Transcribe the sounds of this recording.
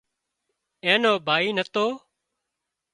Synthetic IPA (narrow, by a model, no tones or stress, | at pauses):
ẽːnoːbʱaːiːnət̪oː